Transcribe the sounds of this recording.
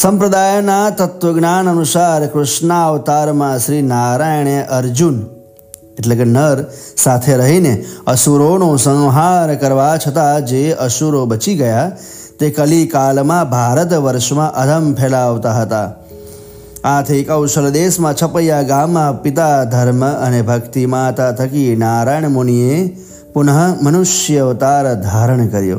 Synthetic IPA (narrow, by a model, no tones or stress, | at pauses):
səmpɾəd̪ajnat̪ət̪ʋəɡnanənusaɾkɾʊʃnaʋt̪aɾmãʃɾinaɾajɳeʔəɾd͡ʒun | eʈlekenəɾsat̪ʰeɾəɦineəsuɾonosə̃ŋɦaɾkəɾʋat͡ʃʰət̪ad͡ʒeʔəʃuɾobət͡ʃiɡəja | t̪ekəlikalmãbʱaɾət̪ʋəɾʃmãʔəd̪ʱəmpʰelaʋt̪aɦət̪a | at̪ʰekəwʃəld̪esmãt͡ʃʰəpəjaɡamːãpɪt̪ad̪ʱəɾməənebʱəkt̪imãt̪at̪ʰəkinaɾajɳmonie | pʊnəɦəmənʊʃjəʋt̪aɾd̪ʱaɾəɳ̃kəɾjo̰